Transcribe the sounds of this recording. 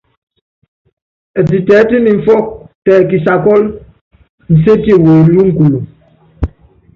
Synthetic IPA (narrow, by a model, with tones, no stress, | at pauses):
ɛ˨t̬i˨tɛː˨˦ti˦ni˨ɱ̩˨fɔ˦k̚tɛː˨ki˨sa˨kɔ˦l | n̩˨se˦ti˦˨wo˨˦lu˦ŋ̩˦˨ku˨lu˨